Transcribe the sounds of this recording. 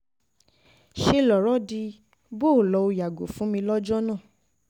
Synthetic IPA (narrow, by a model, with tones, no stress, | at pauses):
ʃe˧lɔ˨ɾɔ˨˦di˧ | bo˦˨lɔ˨˦o˧ja˨ɡo̰˨fũ˨˦mĩ˧lɔ˦d͡ʒɔ˦nãː˦˨